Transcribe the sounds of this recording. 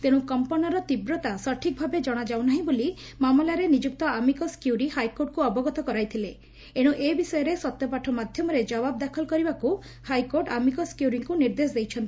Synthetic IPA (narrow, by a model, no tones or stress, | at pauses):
t̪eɽũkɔmpɔnɔɾɔt̪ibɾɔt̪asɔʈʰik̚bʱabed͡ʒɔɽ̃ad͡ʒawnaɦĩboli | mamɔlaɾenid͡ʒuk̚t̪ɔamikɔskjuɾihajkoɾʈ̚kuɔbɔɡɔt̪ɔkɔɾajt̪ʰile | eɽ̃ũʔebisɔjɔɾesɔt̪jɔpaʈʰɔmad̪ʱjɔmɔɾed͡ʒɔbabd̪akʰɔlɔkɔɾibaku | hajkoɾʈamikɔskjuɾiŋkuniɾd̪esd̪ejt͡ʃʰɔnt̪i